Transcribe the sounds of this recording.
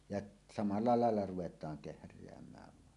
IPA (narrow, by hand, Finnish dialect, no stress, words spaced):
jɑʔ sɑmɑlːɑ lɑˑelːɑ ruw̆etˑɑːŋ kehrˑeæmˑæːʋ ʋɑˑen